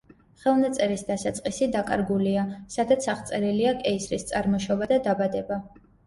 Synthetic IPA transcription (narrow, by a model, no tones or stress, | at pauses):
χɛlˠnat̪sʼɛɾisd̪asat̪sʼqʼisid̪akʼa̰ɾɡuliasad̪at̪sʰaχt̪sʼɛɾiliakʼɛisɾist̪sʼaɾmɔʃɔbad̪ad̪abad̪ɛba